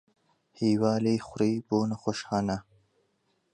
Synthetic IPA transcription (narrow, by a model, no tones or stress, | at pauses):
hiːwɑːlixʊɾiboːnaxoʃxɑːna